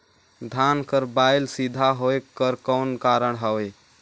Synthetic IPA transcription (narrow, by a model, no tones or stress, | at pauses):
d̪ʱankəɾbajlsid̪ʱaɦoekːəɾkɔnkaɾəɳɦəwe